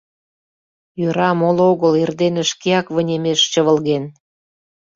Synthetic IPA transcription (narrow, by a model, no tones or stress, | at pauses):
jøɾɑmoloɣəlerd̪enə̆ʃkeɑkvə̆nʲemeʃt͡ɕəβə̆lɣen